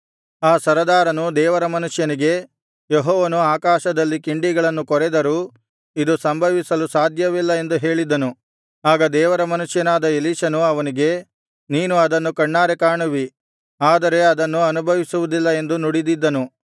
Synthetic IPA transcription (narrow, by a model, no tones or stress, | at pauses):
aːsɐɾɐd̪aːɾɐnud̪ɛːʋɐɾɐmɐnuʂjɐniɡe̞ | jeɦɔːʋɐnuaːkaːʃɐd̪ɐlːikiɳɖiɡɐɭɐnːukɔɾɛd̪ɐɾu | id̪usɐmbʱɐʋisɐlusaːd̪ʱjɐʋilːɐe̞nd̪uɦe̞ːɭid̪ɐnu | aːɡɐd̪ɛːʋɐɾɐmɐnuʂjɐnaːd̪ɐeliːʃɐnuɐʋɐniɡe̞ | niːnuɐd̪ɐnːukɐɳːaːɾekaːɳuʋi | aːd̪ɐɾe̞ɐd̪ɐnːuɐnubʱɐʋisuʋud̪ilːɐe̞nd̪unuɽid̪id̪ːɐnu